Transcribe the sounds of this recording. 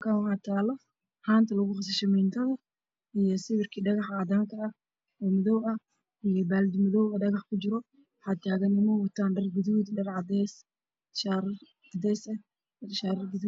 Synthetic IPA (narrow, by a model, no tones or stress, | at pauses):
kʰawħaːt̪ʰaːlɔ | haːnt̪ʰɐlɐɣʊχɑsɪʃɔmɪnt̪ʰɐðɐ | ijɔsɪβɪrkʰiɖɑɣɑħaːd̪aːŋkʰɐː | ɔːmɔðɔwɐ | ijɔbaːld̪mɪðɔwɔɖɐɣɑħkʰʊd͡ʒɪɾɔ | ħɑːt̪ʰaːɣɐnːɪmɔwɐt̪ʰaːnɖɐrɡʊðuːd̪ɖɐrʕɑd̪ɛːs | ʃɾ | ɑd̪ɛːsɛ | ʃaːɾɡʊðu